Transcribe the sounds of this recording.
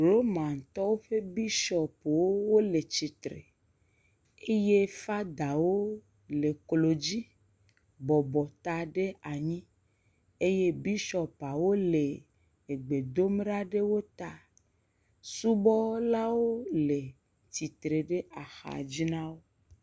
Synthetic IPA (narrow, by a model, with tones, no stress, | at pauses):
ɾo˦mã˨n˨t̪ɔ˦wo˦ɸe˦bi˦ʃɔ˨po˨wo˦wo˦le˨t͡ɕi˨t̪ɾḛ˨ | e˦je˦fa˦d̪a˨wo˦ | le˨klo˨d͡ʑi˦ | bɔ˨bɔ˨t̪a˦ɖe˦a˨ɲĩ˦ | e˦je˦bi˦ʃɔ˨pa˨wo˦le˨ | e˨ɡ͡be˨d̪o˦m˦ɖa˦ɖe˦wo˦t̪a˦ | su˦bɔ˦la˦wo˦le˨ | t̪i˨t̪ɾe˨ɖe˦a˨xa̰˨d͡ʑi˦nã˦wo˦